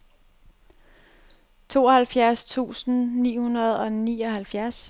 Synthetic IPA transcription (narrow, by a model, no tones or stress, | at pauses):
t͡sʰo̝̰ːɒhælfjæɐst͡sʰṵːsn̩nḭːhunɐð̞ˠɒ̽niːɒ̽hælfjæɐs